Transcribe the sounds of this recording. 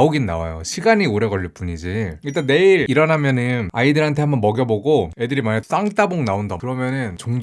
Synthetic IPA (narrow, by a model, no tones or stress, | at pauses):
oɡinna̰wa̰jo̰ɕʰiɡaɲioɾe̞ɡʌɭːɯɭp͈uɲid͡ʑiɯɭt͈ane̞iɾiɾʌnɦamjʌnɯnaidɯɾɦantʰe̞hambʌnmʌɡjʌboɡoedɯɾimanes͈aŋt͈aboŋnaondʌkɯɾʌmjʌnɯnt͡ɕoŋd͡ʑ